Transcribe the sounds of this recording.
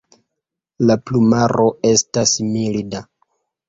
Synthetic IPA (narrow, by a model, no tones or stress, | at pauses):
laplumaɾʔo̞e̞stasmilida